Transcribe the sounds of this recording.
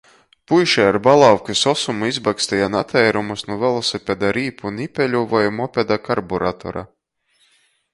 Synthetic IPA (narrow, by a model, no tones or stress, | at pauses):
pujʃɛjaɾbalˠawkʲisɔsumuizbakst̪ɛjanat̪ʰɛjɾumusnuvɛlˠɔsɛpʲɛd̪aɾiːpunipʲɛlʲuvɔjmɔpʲed̪akaɾbɔɾat̪ɔ̰ɾa̰